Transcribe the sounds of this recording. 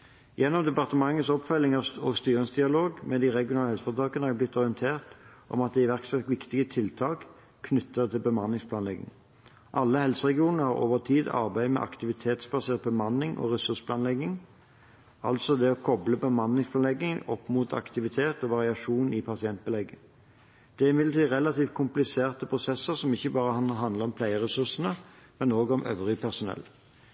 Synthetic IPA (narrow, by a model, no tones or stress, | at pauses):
jɛnːɔmd̪ɛpɑʁt̪əmɑŋːət̪sɔpfœlːɪŋɑɔst̪yːʁəŋsd̪ɪɑloːɡmɛd̪ɪʁɛɡɪjʊnɑləhɛlsəfɔʁt̪ʰɑːkənəhɑʁblɪt̪ːɔʁɪənt̪ʰeːʁt̪ʔɔ̰mɑt̪̚d̪ɛɪʋæʁksɑk̪ʋɪkt̪ɪɡət̪ʰɪlt̪ʰɑːk | kʰːnʏt̪ːət̪ʰɪlbəmɑnɪŋspʰlɑːnlɛɡːɪ̰ŋ | ʔɑlːəhɛlsəʁɛɡɪuːnnəhɑʁo̰ːʋəʁt̪ʰiːd̪ɑ̰ʁbæɪmɛ̰ʔɑ̰kt̪ɪʋɪt̪ʰeːt̪sbɑseːʁt̪̚bəmɑnːɪŋʔɔ̰ʁɛsʉʁspʰlɑːnlɛɡɪŋ | ɑlt̪sɔd̪ɛɔkʰɔbləbəmɑnːɪŋspʰlɑːnɛɡɪŋɔpːmuːt̪ʰɑ̰kt̪ɪʋɪt̪ʰeːt̪ɔʋɑʁɪɑʂuːnɪpʰɑsɪɛnt̪̚bəlɛɡːə | d̪̥ɛæʁɪmɪd̪lt̪ʰiːʁɛlɑt̪iːft̪̚kʰʊmplɪseːʁt̪əpʰʁʊsɛsːəʁsɔmɪçːəbɑːʁəɦɑnd̪ləʁɔmpʰlæɪəʁɛsʉʁsən̩əmɛnoːɡɔmʔø̰ːʋʁɪpʰæʁsʊnɛ̰lː